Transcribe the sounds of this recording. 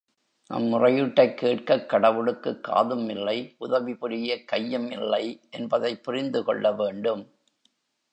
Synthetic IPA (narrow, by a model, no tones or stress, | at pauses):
nɐ̰mːʊrɐjɯʈːɐɪkːeːʈkɐkːɐɽɐʋɯɽɯkːɯkːa̰ːðɯmɪlːɐɪʔʊðɐʋipɪɾɪjɐkɐjːɐmɪlːɐɪʔɛnbɐðɐɪpːʊrɪnd̪ɯkɔ̰ɭːɐʋeːɳɖɯm